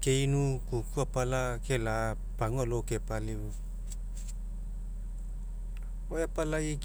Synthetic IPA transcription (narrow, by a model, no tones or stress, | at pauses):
keinukukuapalakela | paŋolokepali | ojapalaik